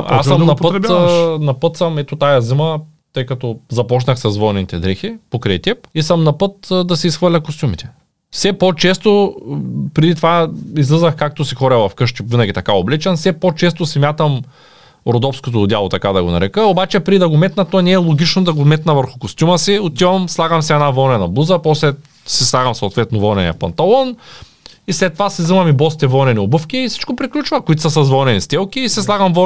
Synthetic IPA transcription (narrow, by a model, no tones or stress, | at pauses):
a̰sɐmnɐppəɾnɐpɤt̪sɐmɛt̪ot̪ajɐzimɐ | t̪ɤjkɐt̪ɔzɐpɔt͡ʃnɐxsɐzvɔnɛnit̪ɛd̪ɾɛxipokɾɛjt̪ʲɛp̚isɐmnɐpɤt̪d̪ɐsɛisxvəɾlʲɐkost̪ʲumit̪ɛ̥ | fsɛpot͡ʃɛst̪o | pɾɛd̪it̪ovaizlʲˠizɐxkak̚t̪osixɔɾɐvɐfkɤʃt̪ivinɐɡʲit̪ɐkaoblɛt͡ʃənsɛpot͡ʃɛst̪osimʲjat̪ɐm | ɾod̪ɔfskot̪od̪jalˠot̪ɐkad̪ɐɡonɐ̰ɾɛkəobat͡ʃɛpɾid̪ɐɡomɛt̪nɐt̪onɛːlˠoɡʲit͡ʃnod̪ɐɡomɛt̪nɐvəɾxʊkost̪ʲuməsiot̪ivɐmslˠaɡɐmsɛɛnavɔnɛnɐblˠuzɐpɔslɛ | sislˠaɡɐmso̰ːt̪vɛt̪novɔnɛnḭɐ̰pɐnt̪ɐlˠɔn | islɛt̪ːovasizəmɐmibɔst̪ɛvɔnɛniobɤfkʲiːsi̥t͡ʃkopɾiklʲut͡ʃvɐkʊit̪səsɐzvɔnɛnist̪ɛlˠkʲiːsɛslˠaɡɐmvɔ